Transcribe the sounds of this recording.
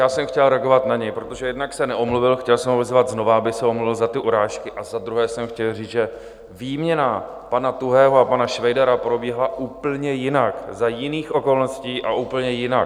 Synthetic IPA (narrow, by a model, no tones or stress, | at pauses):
jaːsɛmxcɛlɾɛaɡo̞vat̪naɲɛjpɾot̪o̞ʒɛjɛdnaksɛnɛʔomluvɪlxcɛlsɛmɦovɛzvad̪zno̞vaabɪsɛomluvɪlzat̪ɪʔuɾaːʃkɪʔazad̪ɾuɦɛːsɛmxcɛlriːt͡sʒɛ | viːmɲɛna | panat̪uɦɛːɦoapanaʃvɛjdaɾapɾo̞bjɛɦlaʔuːpl̩ɲɛjɪnakzajɪniːxʔo̞ko̞lno̞sciːʔaʔuːpl̩ɲɛjɪna